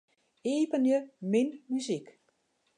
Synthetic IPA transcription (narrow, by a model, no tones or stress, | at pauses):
eːpənjəmɪnmyzik